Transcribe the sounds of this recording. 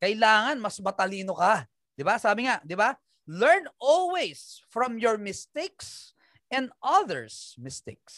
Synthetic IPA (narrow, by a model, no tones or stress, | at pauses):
kɐɪlaːŋɐnmɐsmɐt̪ɐliːnoka | d̪̥ɪbasaːbɪŋaʔd̪ɪba | lɛɹnʔɔlwɛjsfɹɔ̃mjɔɹmɪst̪eks | ɛ̃nd̪ʔɐðɛ̰ɹsmɪst̪ḛk̚s